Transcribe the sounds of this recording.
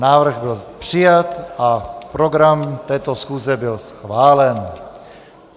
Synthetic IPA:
naːvr̩ɣbɪlpr̝̥ɪjat̪ʔapɾoɡɾamt̪ɛːt̪osxuːzɛbɪlsxvaːlɛn

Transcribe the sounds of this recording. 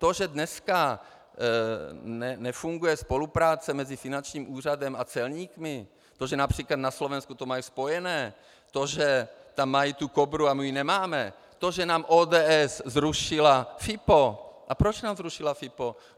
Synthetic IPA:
t̪o̞ʒɛdnɛska | nɛnɛfuŋɡujɛspo̞lupɾaːt͡sɛmɛzɪfɪnant͡ʃɲiːmʔuːr̝adɛmat͡sɛlɲiːkmɪ | t̪oʒɛnapr̥iːklat̪naslo̞vɛnskut̪omajispo̞jɛnɛː | t̪o̞ʒɛt̪amːajit̪ukobɾuamijinɛmaːmɛ | t̪oʒɛnaːmʔoːdɛːʔɛzzɾuʃɪlafɪpoʔapɾot͡ʃnaːmzɾuʃɪlafɪpo

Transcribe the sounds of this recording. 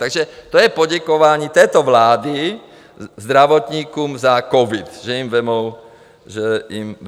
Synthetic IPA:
t̪aɡʒɛt̪ɔjɛpɔɟɛkɔʋaːɲiːt̪ɛːt̪ɔʋlaːd̪i | zd̪ɾaʋɔt̪ɲiːkumzakɔʋit̪ʒɛimʋɛmɔʊ | ʒɛim

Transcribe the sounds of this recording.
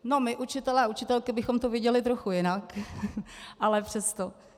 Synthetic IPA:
no̞mɪʔut͡ʃɪt̪ɛlɛaut͡ʃɪt̪ɛlkɪbɪxomt̪ovjɪɛɟɛlɪt̪ɾoxujɪnak | ʔalɛpr̝̥ɛst̪o

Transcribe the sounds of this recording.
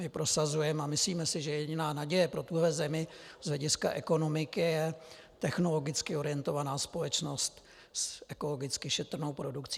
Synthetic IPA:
mɪpɾo̞sazujɛmɛamɪsliːmɛsɪʒɛjɛɟɪnaːnaɟɛjɛpɾo̞t̪uɦlɛzɛmɪz̥lɛɟɪska̰ʔɛko̞no̞mɪkɪjɛ | t̪ɛxno̞lo̞ɡɪt͡skɪo̞ɾɪjɛnt̪o̞vanaːspo̞lɛt͡ʃno̞st̪ | sʔɛko̞lo̞ɡɪt͡skɪʃɛt̪r̩no̞wpɾo̞dukt͡siː

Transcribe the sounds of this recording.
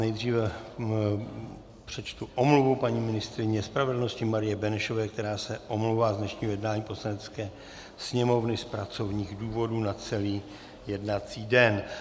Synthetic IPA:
nɛjdr̝iːvɛ | pr̝̥ɛt͡ʃt̪uʔomluvupaɲiːmɪnɪst̪ɾɪɲɛspɾavɛdl̩noscɪmaɾɪjɛbɛnɛʃo̞vɛːk̚t̪ɛɾaːsɛʔomluwvaːzdnɛʃɲiːɦojɛdnaːɲiːpo̞slanɛt͡skɛː | sɲɛmo̞vnɪspɾat͡so̞vɲiːɣduːvo̞dunat͡sɛliː | jɛdnat͡siːdɛn

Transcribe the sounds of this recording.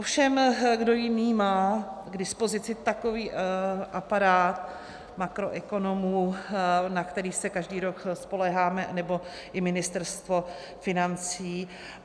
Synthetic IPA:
ʔofʃɛmɡdo̞jɪniːmaːɡdɪspo̞zɪt͡sɪt̪ako̞viːʔapaɾaːt̪ | makɾo̞ʔɛko̞no̞muːnakt̪ɛɾiːsɛkaʒdiːɾokspo̞lɛɦaːmɛʔanɛbo̞ | ʔɪmɪnɪst̪ɛɾst̪vo̞ | fɪnant͡siː

